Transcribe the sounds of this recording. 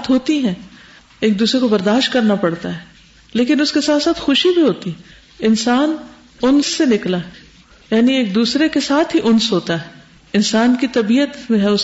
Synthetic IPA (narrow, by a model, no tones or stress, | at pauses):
t̪ɦoːt̪iɦɛ̃ː | eːk̚d̪uːsɾekobɐɾd̪aːʃt̪̚kɐɾnapɐɽt̪aɦɛː | leːkɪnʊskesaːt̪saːt̪ʰxʊʃibʱiɦoːt̪iɦɛ | ɪnsaːn | ʊnsːenɪklaɦ | jaːnieːk̚d̪uːsɾekesaːt̪ʰɦiʔʊnsɦoːt̪aɦɛ | ɪnsaːnkit̪ɐbiːət̪mẽɦɛ̃ʊs